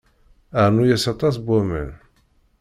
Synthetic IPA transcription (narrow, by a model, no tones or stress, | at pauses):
aʕnujæsɑt̪ˤɑs̬bʷæmə̰n